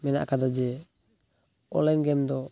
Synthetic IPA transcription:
mɛna̰ʔkad̪ɔd͡ʒɛ | ɔ̰lɛnɡɛmd̪ɔ

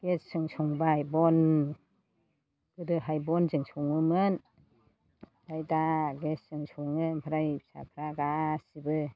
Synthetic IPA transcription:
ɡ̥esɯŋsʰɔŋbajbɔn | ɡ̥ɯdɯɦajbɔnzɯŋsʰɔŋɯmɯn | dajdaɡessɯŋsʰɔŋɯnpʰɯɾajip̚sa̰pʰɾaɡasibɯ

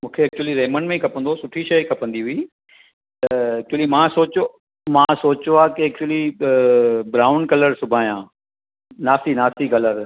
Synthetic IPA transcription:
mũːkʰeɐk̚t͡ɕuəliɾɐːmənmẽkʰɐpə̃nd̪osʊʈʰiʃɐjkʰɐpə̃nd̪iɦʊiː | t̪ɐɐk̚t͡ʃʊəlimãsoːt͡ɕo | mãsoːt͡ɕoaːkeɐk̚t͡ɕwli | bɾaːʊ̃nɖkɐləɾsʊbʱaːijãː | naːstinaːst̪ikɐləɾ

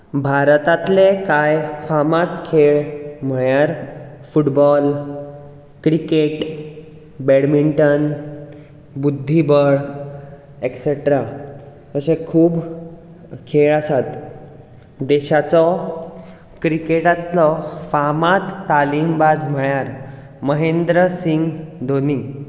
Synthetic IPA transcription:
bʱaɾt̪at̪lekajfamat̪kʰeɭm̤əɭjaɾfuʈbɔl | kɾikeʈ | bɛɽmiɳʈən | bud̪ʱːibəɭ | ekseʈɾa | əsekʰuːb | kʰeɭəsat̪ | d̪eɕat͡sɔ | kɾikeʈat̪lɔfamat̪ːalimbad͡zm̤əɭjaɾ | məɦend̪ɾəsiŋɡd̪ʱoni

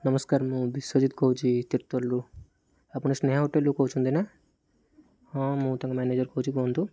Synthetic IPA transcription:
nɐmɐskaːɾmubisɐd͡ʒit̪koɦud͡ʒit̪iɾt̪ɐlːu | ɐpːuɳusnɛːɦɐɦuʈːelːukoːut͡ʃund̪ina | ãːmuːt̪ɐŋɡɐmjaːneːd͡ʒɐɾkoɦud͡ʒikoːnd̪u

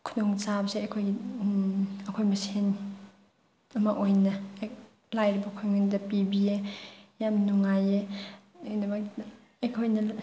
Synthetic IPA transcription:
kʰudɔŋt͡ʃabɐseɐkʰojɡi | ɐkʰojmɐsen | ɐmaʔojnɐ | lajɾibɐkʰojŋandɐpibiejamnuŋaje | nabak | ɐjkʰojnɐ

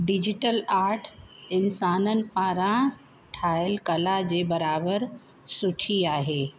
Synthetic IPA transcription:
ɖɪd͡ʑɪʈəlaːɾʈʰɪnsaːnənɪ̆paːɾã | ʈʰaːɪlkɐlad͡ʑeːbɐɾaːbəɾ | sʊʈʰiaːɦeː

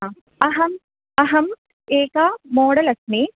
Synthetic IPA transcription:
ɐɦɐm | ɐɦɐm | eːkamoːɽɐlɐsneː

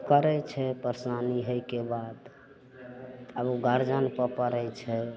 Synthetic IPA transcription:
kəɾɛt͡ʃʰɛpəɾsaniɦəjkebad̪ | əbuɡəɾd͡ʒənpəpəɾɛjt͡ʃʰɛ

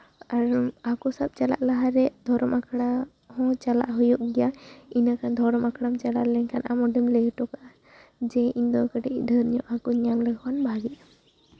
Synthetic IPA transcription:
aɾakɔsab̥̚t͡ʃala̰ʔlaɦaɾɛd̪ʱɔɾɔmakʰɽa | hɔ̃t͡ʃala̰ʔɦujɔʔɡɛjainakʰand̪ʱɔɾɔmakɽamt͡ʃala̰ʔlɛɲkʰanʔamɔɖəmlɛɡʈɔkaʔ | d͡ʒɛind̪ɔkəʈɛʔdʱəɾɲɔʔakɔɲamləɡwanbʱaɡɛa

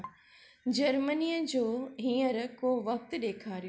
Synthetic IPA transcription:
d͡ʑɐɾmənijəd͡ʑoːɦĩːəɾkoʋɐk̚t̪ɗeːkʰaːɾijo

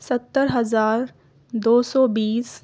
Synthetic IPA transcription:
sət̪ːəɾɦɐzaːɾ | d̪oːsɔːbiːs

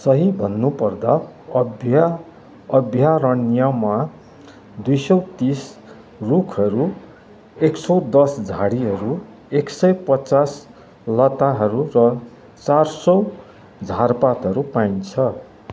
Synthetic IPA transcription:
sʌɦibʱʌnːupʌrd̪aʌbʱj | ʌbʱjaɾʌnijama | d̪ujsʌwt̪is | rukʰʌɾu | eksʌwd̪ʌsd͡zʱaɽiɦʌɾu | eksʌjpʌt͡sas | lʌt̪aɦʌɾurʌ | t͡sarsʌw | d͡zʱarpat̪ɦʌɾupaint͡sʰʌ

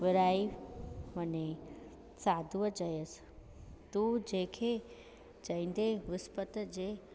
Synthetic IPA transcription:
ʋəɾaːiməne | saːd̪ʱuʋəd͡ʒəjəs | t̪ud͡ʑeːkʰe | d͡ʒəĩnd̪eʋɪspət̪əd͡ʑeː

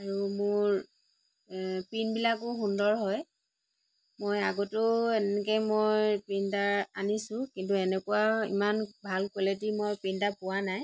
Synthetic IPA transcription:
aɹumʊɹ | pinbilakʊxundɔɹɦɔj | mojaɡɔtʊɛnɛk̬ɛmojpintaɹanisʊ̃kintuɛnɛkʊwaḭmanbʱalkwɛlet̬imojpintapʊwanaj

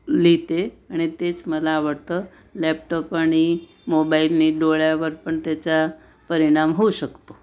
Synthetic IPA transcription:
lit̪eaɽ̃it̪et͡sməlaːʋəɽt̪ə | lɛp̚ʈɔpaɽ̃i | mobailniɖoɭjaʋəɾpəɳt̪jat͡ɕa | pəɾiɽ̃amɦouɕəkt̪o

